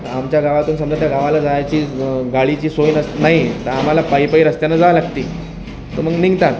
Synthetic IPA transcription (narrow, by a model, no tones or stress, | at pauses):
amt͡ɕjaɡaʋat̪uːnsəmd͡ʑat̪jaɡaʋalad͡zaajt͡ɕiːɡaɭit͡ɕiːsojnəsnaɦit̪əɾam̤alapajpəiɾəst̪janːad͡zaʋalaɡt̪iː | t̪əməɡniŋɡt̪at̪